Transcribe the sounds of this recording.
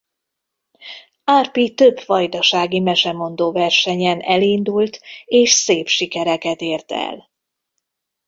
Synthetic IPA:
aːrpit̪øbfɒjd̪ɒʃaːɡimɛʃɛmo̞nd̪oːvɛrʃɛɲɛnʔɛlind̪ult̪eːʃseːpʃikɛɾɛkɛt̪eːrt̪ɛ̰l

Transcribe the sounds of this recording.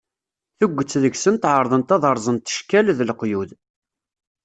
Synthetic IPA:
θʊɡʷːət͡sːðəʝsənt̪ʕəɾˤðˤənt̪ɑðˤɑɾˤzˤənt̪ːə̥ʃkælðəlqjuð

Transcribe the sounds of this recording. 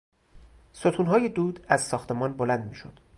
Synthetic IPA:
sot̪ʰuːnɦɒːjed̪uːd̪æzsɒːxt̪ʰe̞mɒːnbolænd̪miːʃod̪̥

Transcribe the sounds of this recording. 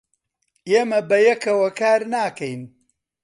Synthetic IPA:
eːmɐbɐjɐkɐwɐkaːɾnaːkɐjn

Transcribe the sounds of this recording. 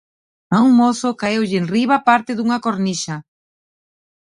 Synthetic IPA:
auŋmoθokaewʎenriβapaɾt̪ɪðuŋɐkoɾniʃa

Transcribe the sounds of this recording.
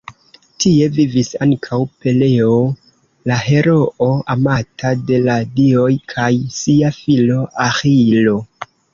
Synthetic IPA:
tie̞vivisaŋkʰawpe̞le̞o | laɦe̞ɾo̞ʔoamatade̞ladio̞jkʰajsiafilo̞ʔaxilo̞

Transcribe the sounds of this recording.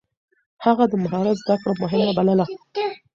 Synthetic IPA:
haɣad̪əmaɦɑɾat̪zd̪akɽamʊɦɪmabaləla

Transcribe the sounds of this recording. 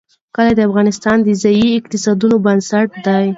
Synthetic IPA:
kəlad̪əafɣɑnɪst̪ɑnd̪əzajiɪqt̪ɪsɑd̪unobansaʈ̚d̪aj

